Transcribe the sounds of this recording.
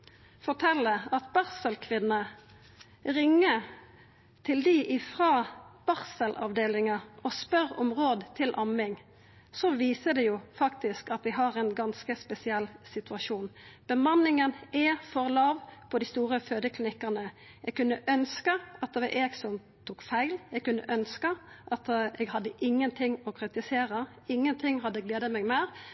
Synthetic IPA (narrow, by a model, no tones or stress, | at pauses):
fɔʈʰɛlːəɑt̪̚bɑʁsəlkʰʋɪnːə | ʁɪŋːə | t̪ʰɪld̪ɪʔɪfʁɑːb̥ɑʁsəlʔɑ̰ʋd̪eːlɪŋɑɔspœʁɔmʁoːd̪t̪ʰɪlʔɑmɪŋ | sɔʋiːsəd̪ɛjufɑkt̪ɪskɑt̪d̪ɪɦɑʁɛnɡɑnskəspɛsɪɛlsɪt̪ʉɑʂuːnb̥əmɑnːɪŋənɛfɔʁlɑːʋpʰɔd̪ɪst̪uːɾəføːd̪əklɪnɪkːənə | ɛɡ̚kʉnːəʔœnskəɑt̪̚əʋɑʔeːɪɡsɔnm | t̪ʰuːkfæɪlɛɡ̚kʉnːə̰ʔœnskəʔɑt̪ɛɡhɑd̪ːəʔɪŋːənt̪ʰɪŋːɔkʰɾɪt̪ɪseːɾə | ɪŋːənt̪ʰɪŋːhɑd̪ːəɡleːd̪əɑmɛɡmæːɾ